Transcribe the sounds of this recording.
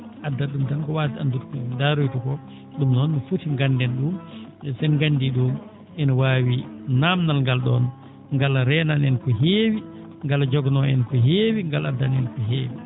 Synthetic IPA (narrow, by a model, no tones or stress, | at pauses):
ʔadːaɗumtankɔwatiandutkudaɾujtɔkɔ | ɗumnɔnːɔfutiŋɡandɛnɗumsɛnŋɡandiɗum | ʔɛnɔwaːwinamnalŋɡalɗɔ̰n | ŋɡalɾɛnanɛnkɔɦeːwi | ŋɡald͡ʒɔɡnɔɛnkɔɦeːwiŋɡaladːanɛnkɔɦeːwi